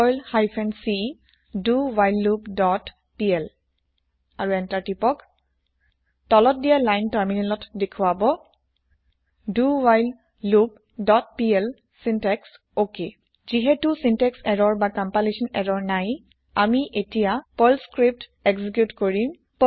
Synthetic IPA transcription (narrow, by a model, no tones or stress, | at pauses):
ɔjlhajpʰɛnsi | duwajlːubdɔt | piɛl | aɹuɛntaɹtipɔk | tɔlɔt̚dijalajntaɹminɛlɔtdekʰʊabɔ | duwajlː | ub̚ | dɔt̚piɛl | sintɛks | oke | ziɦɛtusintɛksɛɹɔɹbakampalisɔnɛɹɔɹnaj | amiʔetijapolskɹip̚teksik̬jutkoɹim | p